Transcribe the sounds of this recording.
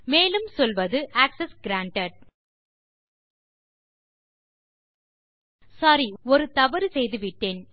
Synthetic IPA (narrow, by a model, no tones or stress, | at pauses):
meːlɯmsɔlʋɐðɯʔaːksɛsɡɪɾaːɳʈɐɖ̚ | sɐɾiɔɾɯt̪ɐʋɐɾɯsɛjðɯʋɪʈːeːn